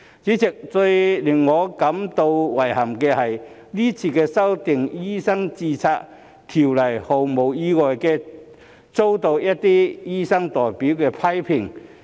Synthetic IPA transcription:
t͡siː˨˥t͡sɪ˨k̚t͡sɵ˧ɥlɪ˨˩ŋːɔː˨˧kɐ˨˥mt̪o˧wwɐ˨˩jhɐ˨˩mkɛː˧hɐ˨j | liː˥t͡sʰiː˧kɛː˧sɐ˥wt̪ɪ˨ŋjiː˥sɐ˥ŋt͡siː˧t͡sʰaː˧k̚ | t̪ʰiː˨˩wlɐ˨˩jho˨˩wmo˨˩wjiː˧ŋɔː˨˩jkɛː˧ | t͡so˥wt̪o˧wjɐ˥t̚t̪iː˥jiː˥sɐ˥ŋt̪ɔː˨˩jpiː˨˥wkɛː˧pʰɐ˥jpʰɪ˨˩ŋ

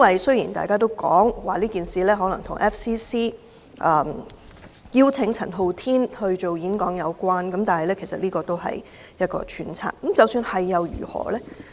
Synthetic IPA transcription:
ɐ˥wɐ˨jsɵ˥jiː˨˩nt̪a̰ː˨jkaː˥t̪o˥wkɔː˨˥ŋwaː˨˩liː˥kiː˨nsiː˨lɛː˥ɦɔː˨˥lɐ˨˩ŋt̪ʰʊ˨˩ŋʔɛː˥fsiː˥siː˥ | ʔɐː˨˩ | jiː˥wt͡sʰɪ˨˥ŋt͡sʰɐ̰˨˩nɦo˨wt̪ʰiː˥nhɵ˧ɥt͡ʃo˨wjiː˨˥nkɔː˨˥ŋjɐ˨˧wkʷwaː˥nkɐ˨˥mt̪aː˨nhɐ˨jlɛː˥kʰe˨˩sɐ˨t̚liː˥kɔː˧t̪o˥wɦɐ̰˨j | jɐ˥t̚kɔ̰ː˧t͡ʃʰyː˨˥nt͡sʰa̰ː˧˥k̚kə˨˧˦mt͡sɐ˨˧wsyː˧nhɐ˨jːɐ˨˧wjy̰ː˨˩hɔ̰ː˨˩lɛː˥

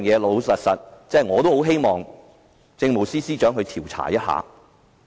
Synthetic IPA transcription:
ŋjɛː˨˧lo˨˧wsɐ˨t̚sɐ˨t̚t͡sɛː˥˩jŋɔː˨˧t̪o˥who˨˥wɦe˥jmɔː˨˩ŋ | t͡sɪ˧ŋmo˨˩wsiː˥siː˥t͡ʃœː˨˥ŋɦɵ˧ɥt̪ʰiː˨˩wt͡sʰa̰ː˨˩jɐ˥t̚ha̰ː˨˧

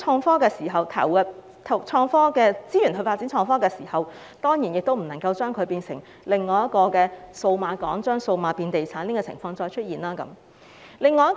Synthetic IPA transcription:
t͡ʃʰɔː˧ŋfɔː˥kɛː˧siː˨˩ɦɐ˨wt̪ʰɐ̰˨˩wɐ˨ | t̪ʰɐ˨˩wt͡ʃʰɔː˧ŋfɔː˥kɛː˧t͡siː˥jyː˨˩nhɵ˧ɥfaː˧t̚t͡si˨˥nt͡ʃʰɔː˧ŋfɔː˥kɛː˧siː˨˩hɐ˨w | t̪ɔː˥ŋjiː˨˩njɪ˨k̚t̪o˥wm̩˨˩nɐ˨˩ŋkɐ˧wt͡ʃœː˥ŋkʰɵ˨˧ɥpiː˧nsɪ˨˩ŋ | lɪ˨ŋːɔː˨˧jɐ˥t̚kɔː˧kɛː˧so˧wmaː˨˧kɔː˨˥ŋt͡ʃœː˥ŋso˧wmaː˧piː˧nt̪e˨jt͡sʰaː˨˥niː˥kɔː˧t͡sʰɪ̰˨˩ŋfɔː˧ŋt͡ʃɔː˧jt͡ʃʰɵ˥t̚iː˨nlaː˥kɐ̰˨˦m | lɪ˨˧ŋːɔː˧jɐ˥

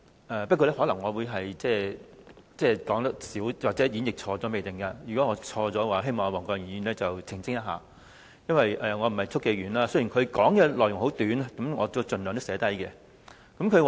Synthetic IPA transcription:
ʔɛː˨pɐ˥kɔː˧˥lɛ˥hɔː˨˥lɐ˨˩ŋːɔː˨˧wuː˨˧jɦɐ˨jt͡sɛː˥˩ | t͡sɛː˥˩kɔː˨˥ŋt̪ɐ˥k̚siː˨˥wwaː˨k̚t͡sɛː˨˥jiː˨˥njɪ˨k̚t͡ʃʰɔː˧t͡sɔː˨˥me˨jt̪ɪ˨ŋkɐ˧jy˨kɔ˨˥ŋɔː˨˧t͡sʰɔː˧t͡sɔː˨˥waː˨˩ɦe˥jmɔː˨ŋɔː˨˧wɔː˨˩ŋkɔː˧jŋ˨iː˨˩nlɛː˥t͡sɐ˨wt͡sʰɪ˨˩ŋsɪ˥ŋjɐ˥t̚ɦaː˨ | jɐ˥nwɐ˨jʔɛː˨ŋɔ˨˧m̩˨˩hɐ˨jt͡sʰʊ˥kːe˨˧jɥyː˨˩nlaː˧sə˥ɥjiː˨˩nkʰɵ˨˧ɥkɔː˨˥ŋkɛː˧lɔː˨˩jʊ˨˩ŋho˨˥wt̪yː˨˥n˥kɐ˨˦˥mŋɔː˨˧t̪o˥˧t͡sɵ˨nlŋt̪o˥sɛː˨˥t̪ɐ˥jkɛ˧ | kɐ˨˦˥mkʰɵ˨˧ɥwa˨

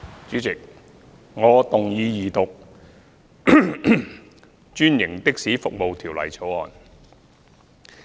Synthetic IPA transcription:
t͡ʃyː˨˥t͡sɪ˨k̚ | ŋɔː˨˧t̪ʊ˨ŋjiː˧jiː˨t̪ʊ˨k̚ | t͡ʃyː˥njɪ˨˩ŋt̪ɪ˥k̚siː˨˥fʊ˨k̚mo˨wt̪ʰiː˨˩wlɐ̰˨˩jt͡sʰo˨˥wɔː˨˩n

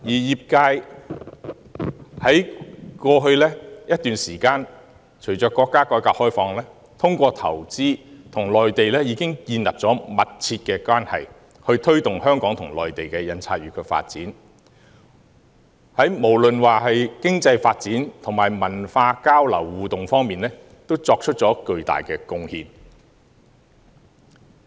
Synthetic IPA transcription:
jiː˨˩jiː˨˩p̚kaː˧j | hɐ˨˥jkɔː˧ɦɵ˧ɥlɛː˥jɐ˥t̚t̪yː˨nsiː˨˩kaː˧n | t͡ʃʰɵ˨˩ɥt͡sɔː˨˧˥kːɔː˧kːaː˥kɔː˨˧˥jkaː˧k̚hɔː˥jfɔː˧ŋlɛː˥ | t̪ʰʊ˥ŋkʷɔː˧t̪ʰɐ̰˨˩wt͡siː˥t̪ʰʊ˨˩ŋlɔː˨jt̪e˨jlɛː˥jiː˨˧kɪ˥ŋkiː˧nlɐ˨p̚t͡sɔː˨˥mɐ˨t̚t͡sʰiː˧t̚kɛː˧kwaː˥nhɐ̰˨j | hɵ˧ɥt̪ʰɵ˥ɥt̪ʊ˨ŋhœː˥ŋkɔː˨˥ŋt̪ʰʊ˨˩ŋlɔː˨jt̪e˨˩jkɛː˧jɐ˧nt͡sʰaː˧t̚ɥyː˨˥kʰɵ˨˧˥fa̰ː˧t̚t͡siː˨˥n | hɐ˨˥jmo˨˩wlɵ˨nwaː˨ɦɐ˨jkɪ˥ŋt͡sɐ˧jfaː˧t̚t͡siː˨˥nt̪ʰʊ˨˩ŋmaː˨˩jmɐ˨˩nfaː˧kaː˥wlɐ̰˨˩wːuː˨t̪ʊ˨ŋfɔː˥ŋmiː˨nlɛː˥ | t̪o˥wt͡sɔː˧k̚t͡ʃʰɵ˥t̚t͡sɔː˨˥kɵ˧ɥt̪a̰ː˨jkɛː˧kʊ˥ŋhiː˧n

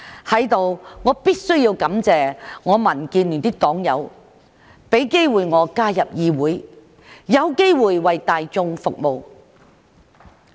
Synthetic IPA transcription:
hɐ˨˥jt̪o˨wŋɔː˨˧piː˥t̚sɵ˥ɥjiː˧wkɐ˨˥mt͡sɛː˨˧ŋɔː˨˧mɐ˨˩nkiː˧nly˨˩nt̪i˥k̚t̪ɔː˨˥ŋjɐ˨˧w | pe˨˥jke˥jwuː˨jŋɔː˨˧kaː˥jɐ˨p̚jiː˨˧wuː˨˥j | jɐ˨˧wke˥jwuː˨jwɐ˨jt̪aː˨jt͡sʊ˧ŋfʊ˨k̚mo˨w

